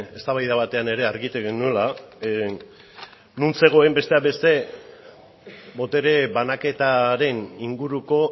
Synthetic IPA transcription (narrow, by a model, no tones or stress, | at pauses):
e̞st̪aβajðaβat̪e̞ane̞ɾe̞aɾɣit̪eɣenuela | nunse̞ɣ̞o̞e̞mbe̞st̪e̞abe̞st̪e̞ | bo̞t̪e̞ɾe̞βanake̞t̪aɾe̞niŋɡuɾuko̞